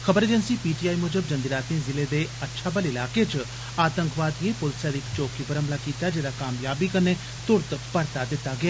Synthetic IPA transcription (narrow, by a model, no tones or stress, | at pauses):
xʰəbəɾeːd͡ʒənsiːpiːʈiːaːimʊd͡ʒəbd͡ʒə̃nd̪ɪɾaːt̪ẽːzɪleːd̪eːətːʃʰaːbəlɪlaːket͡ʃ | aːt̪ə̃ŋkʋaːd̪ijẽːpʊlsɛːd̪ɪkt͡ʃoːkiːbəɾəmlaːkiːt̪aːd͡ʒeːɾaːkaːmjaːbiːkəneː | t̪ʊɾt̪pəɾt̪aːd̪ɪt̪ːaːɡɪjaː